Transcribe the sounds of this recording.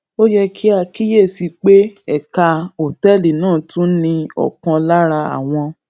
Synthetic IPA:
o˦jɛ˦kʰi˦a˧ki˦je˦˨si˧k͡pe˦ɛ˨ka˧o˨tɛ˦˨li˨nãː˦˨tʰũ˦nĩ˧ɔ̰˨kã˧la˦ɾa˧a̰˨w̃ɔ̃˧

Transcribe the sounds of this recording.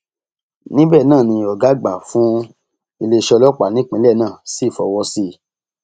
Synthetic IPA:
nĩ˦bɛ˦˨nãː˦˨nĩ˧ɔ˨ɡa˨˦ɡ͡ba˨fũ˦ | i˧le˧ʃɔ˧lɔ˦k͡pa˨nĩ˦k͡pĩ˨˦lɛ˦˨nãː˦˨si˦˨fɔ˨wɔ˧si˧

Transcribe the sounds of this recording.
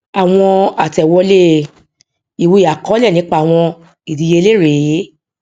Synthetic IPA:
a˨w̃ɔ̃˧a˨tɛ˨wɔ˧le˦˨ | i˨wu˧˦˨a˨kɔ˨˦lɛ˦˨nĩ˨˦k͡pa˦˨w̃ɔ̃˧ | i˨di˨˧je˧le˦˨ɾe˨˦

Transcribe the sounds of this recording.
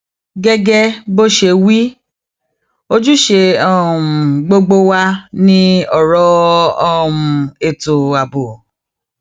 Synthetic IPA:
ɡɛ˧ɡɛ˦bo˦ʃe˧wi˦ | o˦d͡ʒu˦ʃe˧ɔ˦˨ũ˨ɡ͡bo˧ɡ͡bo˦wa˧nĩ˦ɔ˦˨ɾɔ˨˦ɔ˦ũ˨e˨to˨a˨bo˨

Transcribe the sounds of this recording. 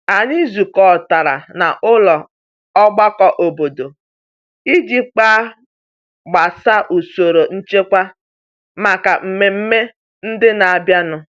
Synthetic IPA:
a˨ni˦zu˨kɔ˨ta˨ɾa̰˨na˨ʔʊ˦lɔ˨ | ɔ˦ɡ͡ba˦kɔ˦ʔo˨bo˨do˨ | i˦d͡ʒi˦k͡pa˦ | ɡ͡ba˨sa˦ʔu˨so˨ɾo˨n̩˦t͡ʃe˦kʷa˦ | ma˨ka˨m̩˨me˨m̩˦me˦ | n̩˦dɪ˦na˨a˨bja˦nʊ˦

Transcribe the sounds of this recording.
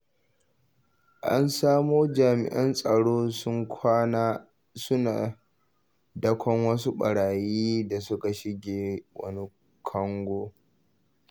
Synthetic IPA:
ʔa̰˦nsaː˦moː˦d͡ʒaː˨mɪ̰˨ʔɐ˦nsʼɐ˨ɽoː˦sʊ˦ŋkʷʰaː˦na˦ | sʊ˦naː˨ | dɐ˦kʷʰɔ˦ŋwɐ˦s̬u˦ɓɐ˨ɽaː˨jiː˦da˨sʊ˦ka˨ʃɪ˦ɡʲeː˨wɐ̰˦ni˦ | kʰɐ˦ŋɡʷoː˦

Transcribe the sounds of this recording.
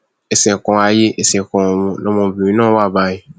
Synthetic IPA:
ɛ˨sɛ̃˨kɔ̃˨a˧je˦ʔɛ˨sɛ̃˨kɔ̃˨mɔ̃˨nɔ̃˧mɔ̃˧˨bĩ˨ĩ˦nãː˦wa˦˨ba˦˨ɲĩ˨

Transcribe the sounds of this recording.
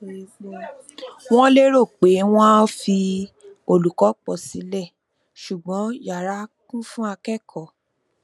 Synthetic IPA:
w̃ɔ̃˦le˦ɾo˦˨k͡pe˨˦w̃ɔ̃˦fi˧ | o˧lu˨kɔ˨˦k͡pɔ˨si˨˦lɛ˦˨ | ʃu˨ɡ͡bɔ̃˨˦ja˨ɾa˨˦kũ˦fũ˦a˧kɛ˦˨kʰɔ˨

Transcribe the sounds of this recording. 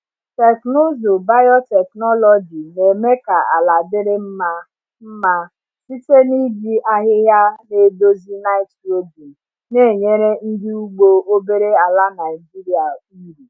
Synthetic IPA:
te˨kno˦zo˨ba˦jɔ˦tɛ˨knɔ˦lɔ˨d͡ʒi˨ne˨me˦ka˨a˨la˨dɪ˦ɾɪ˦m̩˦ma˦ | m̩˦ma˦ | si˦te˦ni˦ɡi˦ʔa˦ɦɪ˦ɦja˦ne˦do˦zi˦na˦ɪ˦to˦bi˨ | ne˦˨ɲe˦ɾe˦n̩˦dɪ˦u˦ɡ͡bo˦o˦be˦ɾe˦a˨la˦na˨ɪ˨d͡ʒi˦ɾi˨˦a˨ | i˦ɾi˨

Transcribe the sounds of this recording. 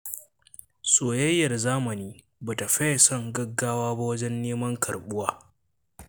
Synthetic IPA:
soː˨jɐ˦jːɐ˨rzaː˦mɐ˨niː˦ | ba˨ta˨ɸɐ˦jɐ˨sɔ˦˨ŋɡɐ˦ɡːaː˦waː˦ba˦wɐ˦d͡ʒɛ˦nːeː˦mɐ˦ŋkʰɐ̰˨rɓʊ˦waː˦

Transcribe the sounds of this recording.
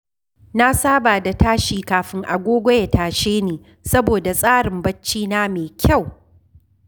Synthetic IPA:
na˦saː˦baː˨da˨taː˦ʃiː˨kaː˨ɸɪ˦ŋʔa̰˨ɡʷoː˦ɡʷɔ˦ja˨taː˨ʃeː˦neː˨ | sɐ˦boː˨da˨sʼaː˦ɽɪ˨mbɐ˦t͡ʃːiː˦naː˦meː˨kʲʰa˦˨w

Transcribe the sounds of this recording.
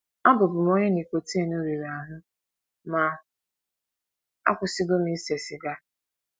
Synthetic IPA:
a˦bʊ˨bʊ˨m˦o˦ɲɪ˦ni˨kʷo˨te˦no˦ɾe˨ɾa˨ɦʊ˦ | ma˨ | a̰˦kʷʊ˨si˦ɡo˦mi˦se˨sɪ˨ɡa˦

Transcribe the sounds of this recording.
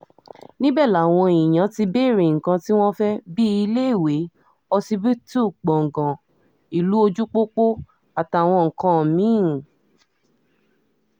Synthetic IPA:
nĩ˦bɛ˦˨la˨w̃ɔ̃˧i˨j̃ã˨˦ti˧be˦˨ɾe˨ŋ̩˨kã˧ti˦w̃ɔ̃˦fɛ˦bi˦i˧le˦i˦˨we˨˦ | ɔ˧si˧bi˦tu˦˨k͡pɔ̃˨ŋ̩˨ɡã˨ | i˨lu˨˦o˧d͡ʒu˦k͡po˦k͡po˦ | a˨ta˨w̃ɔ̃˧ŋ̩˨kã˧˨mĩ˨˦˨

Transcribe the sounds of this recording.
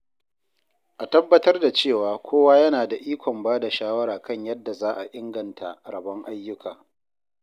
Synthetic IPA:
ʔa˨tɐ˦bːɐ˦tɐ˦rda˨t͡ʃeː˦˨waː˨kʷʰoː˦waː˦jɐ˦naː˨da˨ʔiː˦kʷɔ˨mbaː˦da˨ʃaː˦wɐ˦ɾaː˨kɐ˦˨ɲjɐ˦dːa˨zaː˦ʔa˨ʔɪ˦ŋɡɐ˨ntʰa̰˨ɾɐ˨bɐ˦ŋʔa˦jːʊ˦kʰaː˨

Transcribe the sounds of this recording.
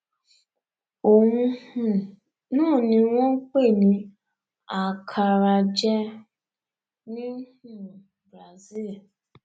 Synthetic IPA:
o˨ŋũ˦hũ˨ | nʊ̃˦˨nĩ˦ŋʷɔ̃˦ŋ̩˦k͡pe˦˨nĩ˨ | a˨kʰa˨ɾa˨d͡ʒɛ˦ | nĩ˦hu˦˨ | bɾa˨zi˦˨l

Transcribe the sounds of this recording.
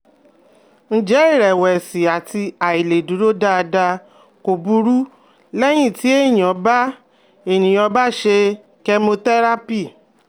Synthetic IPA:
n̩˦d͡ʒɛ˨˦i˦˨ɾɛ˨wɛ˨si˨a˨ti˧a˨i˨le˨du˨˦ɾo˦da˧a˧da˧ | ko˨bu˧ɾu˦ | lɛ˦j̃ĩ˦˨ti˨˦e˦˨j̃ɔ̃˨˦ba˦ | e˨nĩ˨ɔ˧ba˦˨ʃe˧ | kɛ˧mo˧tɛ˦ɾa˦pi˦˨

